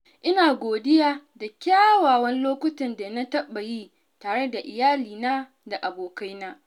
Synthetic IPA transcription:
ʔɪ˦naː˨ɡʷoː˨dɪ˦jaː˦da˨kʲaː˦waː˨wɐ˦nloː˦kʷʊ˦tɐ˨nda˨na˦tɐ˦ɓa˨ji˦ | taː˨ɽe˦da˨ʔɪ˨jaː˦liː˨na˦ | da˨ʔa˨boː˨ka˦jna˦ʔ

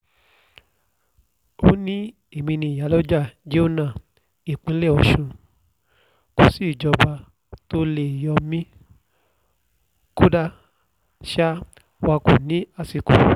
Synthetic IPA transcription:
o˦nĩ˦ | e˨mĩ˧nĩ˧˨ja˨˦lɔ˦d͡ʒa˦˨d͡ʒe˦o˦nã˦˨ | i˨k͡pĩ˨˦lɛ˦˨ɔ˧˨ʃũ˧ | ko˧si˦˨d͡ʒɔ˧ba˧ | to˧˦le˦˨jɔ˧mĩ˦ | ko˦da˧ | ʃa˦ | wa˧ku˨nĩ˨˦a˦˧˨si˧˨kṵ˨

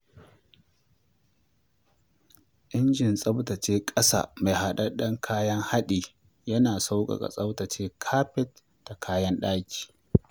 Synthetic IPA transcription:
ʔɪ˦nd͡ʒɪ˨nsʼɐ˦btɐ˨t͡ʃeː˦kʼɐ˦sa̰ː˨ma˨jɦa˦ɗɐ˦rɗɐ˦ŋkʰaː˦jɐ˦ŋha˦ɗiː˨ | jɐ˦naː˨sa˦wkʼɐ̰˨ɡa̰˨sʼɐ˦wtɐ˨t͡ʃeː˦kʰaː˦ɸɛ˦t | d̥a˨kʰaː˦jɐ˦nɗaː˦kʲi̥ː˨

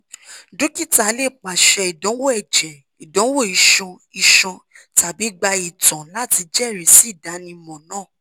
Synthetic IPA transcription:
do˨˦ki˦˨ta˨˧˦le˦˨k͡pa˨ʃɛ˧i˨dɔ̃˨˦wo˦ɛ˨d͡ʒɛ˨ | i˨dɔ̃˨˦wo˦˨i˧ʃɔ̃˧ | i˧ʃɔ̃˧ | ta˨bi˨˦ɡ͡ba˧i˨tɔ̃˨la˦ti˧d͡ʒɛ˦˨ɾe˨si˦˨da˨˦nĩ˧mɔ̃˨nãː˦˨

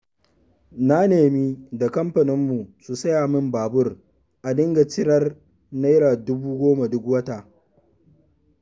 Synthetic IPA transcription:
na˦neː˨mi˦da˨kɐ˦mɸɐ˨nɪ˦mːu˨su˨sɐ˦jaː˨mɪ˦mbaː˨bʊ˦r | ʔa˨dɪ˦ŋɡa˨t͡ʃɪ˦ɽɐ˦r | na˦jɾaː˨dʊ˦buː˦ɡʷoː˦ma˨dʊ˦kwɐ˦ta˨

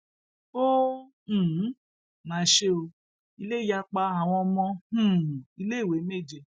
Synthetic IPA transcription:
õ˦˨˦ | nã˨˦ʃe˦o˧ | i˧le˦i˦ja˧k͡pa˧a˨w̃ɔ̃˧mɔ̃˧hũ˦˨i˧le˦i˦˨we˨˦me˦˨d͡ʒe˧

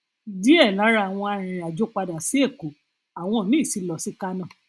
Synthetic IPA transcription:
di˨˦ɛ˦˨lã˨˦ɾa˦˨a˨w̃ɔ̃˧a˧ɾ̃ĩ˨ɾa˨d͡ʒo˨˦k͡pa˧da˨si˦e˦˨ko˨ | a˨w̃ɔ̃˧˨nĩ˦˨si˨˧lɔ˨si˦ka˦nã˦˨

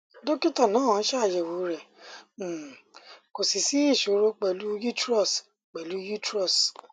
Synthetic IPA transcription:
do˦ki˦tã˦˨nãː˨˦˨ã˧n̩˦ʃɛ˦a˦˨jɛ˨wo˨˦ɾɛ̃˨ | ko˨si˨si˨˦i˦˨ʃo˨˦ɾo˧k͡pɛ˨lu˦ju˦tɾɔ˦˨s | k͡pɛ˨lu˦ju˦tɾɔ˦˨s

